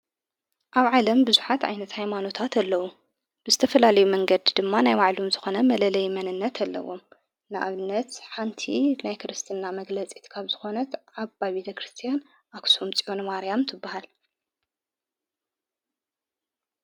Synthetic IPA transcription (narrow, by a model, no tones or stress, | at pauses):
ʔaβʕalɐmbɨzuħat̪ʕa̰jnɐt̪hajmano̞t̪ʰat̪ʰalːɐwu | b̥ɨzɨt̪ʰɐfɐlalɐjumɐŋɡɐd̪d̪ɨmːanajwaʕlomzɨxo̞nɐmɐlɐlɐjmɐnɨnːɐt̪ʰalːɐ̰wo̞̰m | nɨʔa̰βɨnːɐt̪ħant̪ʰinajkɨɾɨst̪ʰɨnːamɐɡlɐt͡sʼi̥t̪kʰaβzɨxo̞nɐt̪ʕaβabet̪ʰɐkɾɨst̪ʰijan | ʔaksomt͡sʼionmaɾjamt̪ʰɨbːahal